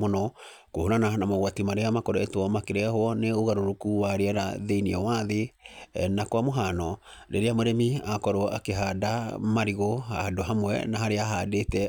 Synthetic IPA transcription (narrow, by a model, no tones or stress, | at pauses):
monɔ | kohoɾananamaɣwatimaɾeamakɔɾɔetwɔmakeɾeahwɔneoɣaɾoɾokuwaɾeɛɾa̰ðeiniɔwaðe | nakwamoɦanɔ | ɾḛɾeamoɾɛmiakɔɾɔa̰keɦadamaɾiɣɔa̰doɦamwɛ̰naɦaɾeaɦadetɛ